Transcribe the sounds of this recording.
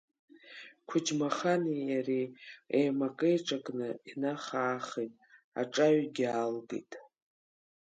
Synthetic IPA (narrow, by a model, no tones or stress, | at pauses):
kʷʰʊd͡ʒmaχanijariejmakʼejʈ͡ʂʼakʼnɨinaχaːχejtʼ | a̰ʈ͡ʂʼaɥɡʲalɡḛjtʼ